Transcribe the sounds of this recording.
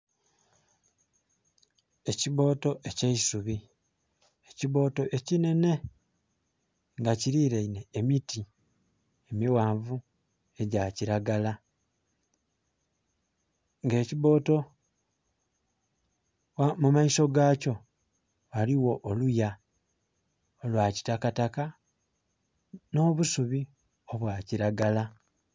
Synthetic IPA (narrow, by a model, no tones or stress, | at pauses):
e̞ciβo̞ːto̞ʔe̞ceisuβi | eciβo̞ːto̞ʔe̞cine̞ne̞ | ŋɡaciɾiɾeineːmiti | emiwaːɱvu | e̞ɟaciɾaɡala | ŋɡe̞ːciβo̞ːto̞ | amumaiso̞ɡaːco̞ | aliwo̞ʔːluja | olwaːci̥takataka | no̞ːβusuβi | o̞βwaːciɾaɡala